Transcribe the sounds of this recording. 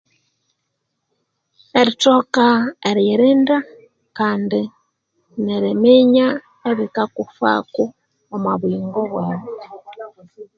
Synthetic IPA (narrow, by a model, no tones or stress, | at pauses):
eɾitokaeɾjeɾinda | kaːndi | neɾimiɲa | eβikakufa̰ku | omaβiːŋɡoβweːβo